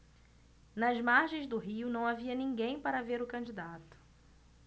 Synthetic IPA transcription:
nɐzmaɾʒẽj̃zd̪ʊɦiʊnɐ̃w̃aviɐnĩɡẽj̃paɾɐveɾʊkɐ̃d͡ʒid̪at̪ʊ̥

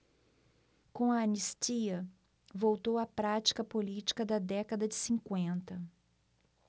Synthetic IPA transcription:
kõɐɐnist͡ʃiɐ | vowt̪owɐpɾat͡ʃi̥kɐpolit͡ʃi̥kɐd̪ɐd̪ɛkɐd̪ɐd͡ʒɪsĩŋkwẽnt̪ɐ

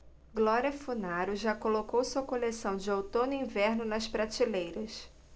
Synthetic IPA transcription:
ɡlɔɾiɐfunaɾʊʒakolokowsuɐkolesɐ̃w̃d͡ʒɪowt̪õnʊĩvɛɾnʊnɐspɾat͡ʃilejɾɐs

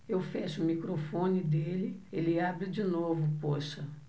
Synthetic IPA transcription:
ewfɛʃʊʊmikɾofõnɪd̪elɪelɪabɾɪd͡ʒinovʊpoʃɐ

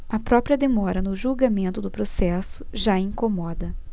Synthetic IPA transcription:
ɐpɾɔpɾiɐd̪emɔɾɐnʊʒuwɡamẽnt̪ʊd̪ʊpɾosɛsʊ̥ʒaĩŋkomɔd̪ɐ

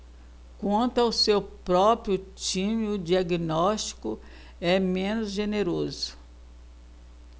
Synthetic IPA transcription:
kwɐ̃nt̪ʊawsewpɾɔpɾjʊt͡ʃĩmɪʊd͡ʒiaɡinɔst͡ʃi̥kʊ | ɛmẽnʊzʒeneɾozʊ̥

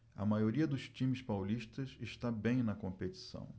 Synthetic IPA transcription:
ɐ̰majoɾiɐd̪ʊst͡ʃĩmɪspawliʃt̪ɐzeʃt̪abẽj̃nɐkõmpet͡ʃi̥sɐ̰̃w̃

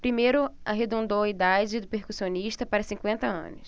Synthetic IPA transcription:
pɾimejɾʊaɦed̪õnd̪owɐid̪ad͡ʒɪd̪ʊpeɾkusioniʃt̪ɐpaɾɐsĩkwẽnt̪ɐɐ̰̃nʊs

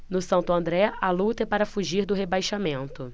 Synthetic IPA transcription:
nʊsɐ̃nt̪ʊɐ̃nd̪ɾɛalut̪ɐɛpaɾɐfuʒiɾd̪ʊɦebajʃamẽnt̪ʊ

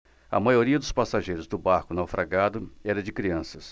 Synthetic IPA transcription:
ɐ̰majoɾiɐd̪ʊspasaʒejɾʊzd̪ʊbaɾkʊnawfɾʔaɡad̪ʊɛɾɐd͡ʒɪkɾiɐ̃sɐs

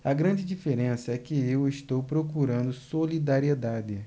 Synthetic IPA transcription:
ɐɡɾɐ̃d͡ʒɪd͡ʒifeɾẽsɐɛkɪewɪʃt̪owpɾokuɾɐ̃nd̪ʊsolid̪aɾied̪ad̪ɪ

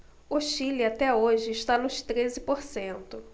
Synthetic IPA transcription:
ʊʃiliat̪ɛoʒɪɪʃt̪anʊʃt̪ɾezɪpoɾsẽnt̪ʊ

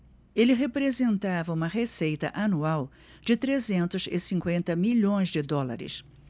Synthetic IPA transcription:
elɪɦepɾezẽnt̪avɐũmɐɦesejt̪ɐ̰ʔanuaw | d͡ʒɪt̪ɾezẽnt̪ʊzɪ̰sĩŋkwẽnt̪ɐmiʎõj̃zd͡ʒɪd̪ɔla̰ɾɪ̰s

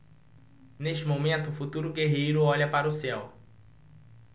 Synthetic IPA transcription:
neʃt͡ʃɪmomẽnt̪ʊːfut̪uɾʊɡeɦejɾʊɔʎɐpaɾɐʊsɛw

